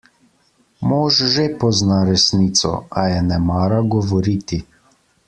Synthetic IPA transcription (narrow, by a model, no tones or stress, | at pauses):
moːʒʒepɔznaɾɛsniːt̪sɔ̰ajɛnɛmaːɾaɡɔʋɔɾiːt̪i